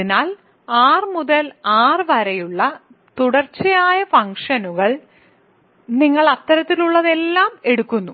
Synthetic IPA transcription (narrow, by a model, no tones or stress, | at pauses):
inaːl | aːrmuðɐlaːrɨʋɐɾɐjuɭːɐ | t̪uɽɐrt͡ɕːɐjaːjɐfɐŋkʂɐnuɣɐɭ | niŋːɐɭɐt̪ːɐɾɐt̪ːiluɭːɐðe̞lːaːme̞ɽukːunːu